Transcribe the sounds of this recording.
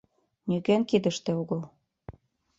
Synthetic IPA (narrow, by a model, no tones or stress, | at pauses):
nyɣæŋkid̪ə̆ʃt̪eoɣɤ̆l